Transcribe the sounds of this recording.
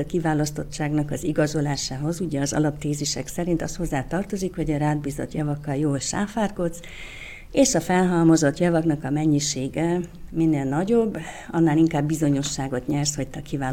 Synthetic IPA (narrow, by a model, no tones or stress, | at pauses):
kivaːlɒst̪o̞t͡ʃt͡ʃːaːɡnɒkɒziɡɒzo̞laːʃaːɦo̞zuɟɛɒzɒ̰lɒpt̪eːziʃɛksɛɾint̪ɒst̪hozːaːt̪ɒrt̪o̞zikhoɟɒɾaːd̪̚biːzo̞̰t̪jɒvɒkːɒljoːlʃa̰ːfaːrko̞t̪s | eːʃɒfɛlɦɒlmo̞zo̞t̪jɒvɒknɒkɒmɛɲːiʃeːɡɛminːeːlnɒɟo̞bː | ɒnːaːliŋkaːbːizo̞ɲo̞ʃːaːɡo̞t̪ɲɛrsho̞c̚t̪ɛkivaː